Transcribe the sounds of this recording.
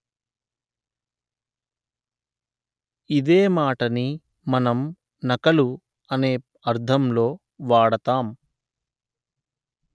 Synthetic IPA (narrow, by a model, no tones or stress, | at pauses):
id̪eːmaːʈɐni | mɐnɐm | nɐkɐlu | ɐneː | ɐɾd̪ʱɐmlo̞ː | ʋaːɽɐt̪aːm